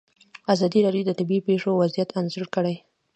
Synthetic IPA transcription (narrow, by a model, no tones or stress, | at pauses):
azɑd̪iɾɑɖjod̪ət̪ɪbipeʂowazijat̪anzəɽkəɽaj